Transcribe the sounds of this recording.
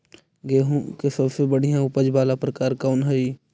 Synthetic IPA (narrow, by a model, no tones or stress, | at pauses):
ɡeːɦõkesɐbsebəɽ̤ijãʊpəd͡ʒbaːlapɾəkaːɾkaːnɦəi